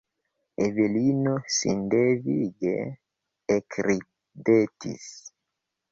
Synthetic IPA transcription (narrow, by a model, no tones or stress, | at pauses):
eβelinosindeviɡeː | kɾi | detḭs